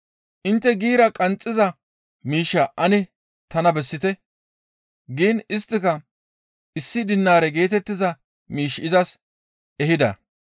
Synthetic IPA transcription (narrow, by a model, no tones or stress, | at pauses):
ʔɪnt̪ːɛɡiːɾɐkʼɐnt͡sʼːɪzɐ | miːʃːɐʔɐnɛ | t̪ɐnɐbɛsːɪt̪ɛ | ɡiːnɪst̪ːɪkɐ | ɪsːɪd̪ɪnːaːɾɛɡe̞ːt̪ɛt̪ːɪzɐ | miːʃɪzɐs | ʔɛɦɪd̪ɐ̰